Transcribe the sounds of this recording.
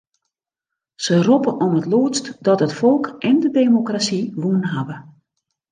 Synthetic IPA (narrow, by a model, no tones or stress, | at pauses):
sərupəʔɔmətloətstdɔtɦətfɔlˠkʔɛndədeːmokrasiʋuənɦabə